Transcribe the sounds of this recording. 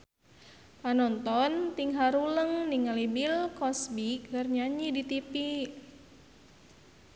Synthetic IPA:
panɔnt̪ɔnt̪iŋɦaɾuləŋniŋalibilkɔsbik̚ɡarɲaɲidit̪ipi

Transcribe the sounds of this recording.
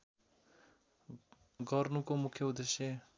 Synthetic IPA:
ɡʌrnukomukʰːjʌud̪esjʌ

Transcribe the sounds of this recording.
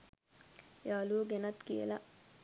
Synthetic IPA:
jaːluɡenɐt̪kiə̰la

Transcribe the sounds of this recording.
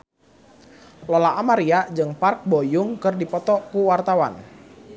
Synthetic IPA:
lolaʔːmaɾiad͡ʒɨŋpark̚bojʊŋkɨrdipɔt̪ɔkuwart̪awa̰n

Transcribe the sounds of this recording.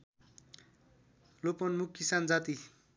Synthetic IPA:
lopʌnmukːisand͡zat̪i

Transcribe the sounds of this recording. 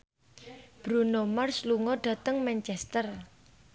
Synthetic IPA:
b̥ɾunomarsluŋɔɖ̥ä̤t̪əŋmɛnt͡ʃɛst̪ər

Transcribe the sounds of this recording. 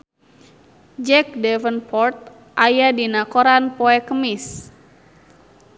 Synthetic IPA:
d͡ʒɛk̚dɛvənpɔrt̪̚ | ʔajadinakoɾanpɔɛkəmɪs

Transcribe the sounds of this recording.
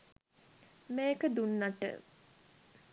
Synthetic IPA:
meːkəd̪unːaʈə̰

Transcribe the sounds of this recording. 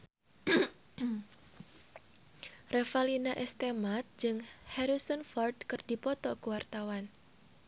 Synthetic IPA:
refalinaʔɛst̪emat̪̚d͡ʒɨŋhɛɾisɔnfɔrd̪kɨrdipɔt̪ɔkuwart̪awan

